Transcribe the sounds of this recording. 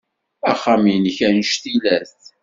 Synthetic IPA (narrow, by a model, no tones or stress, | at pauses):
æχːaminçænʃθilæsθ